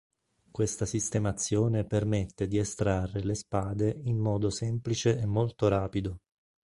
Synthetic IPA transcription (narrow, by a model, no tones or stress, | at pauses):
kwest̪asist̪emat̪sːjoːnepermet̪ːed̪iest̪ɾarːelespaːd̪eimːɔːd̪osɛmplit͡ʃeemːolt̪oɾaːpid̪o